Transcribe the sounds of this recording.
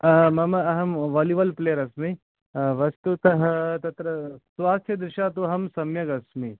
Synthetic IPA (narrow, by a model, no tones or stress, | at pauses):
mɐmɐɐɦɐmʋɐːliʋɐlpleːəɾɐsmi | ʋɐst̪ut̪ɐɦt̪ɐt̪ɾɐsʋaːst̪ʰjɐd̪ɾɪʃaːt̪uɦɐmsɐmjɐɡɐsmi